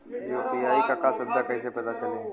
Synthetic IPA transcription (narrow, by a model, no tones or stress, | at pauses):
joːpijaːikakasʊd̪ʱakɐɪsepɛt̪at͡ʃɐlẽ